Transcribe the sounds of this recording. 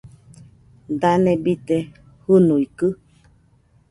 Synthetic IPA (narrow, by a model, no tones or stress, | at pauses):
d̪anebit̪e | hɨnuikɨ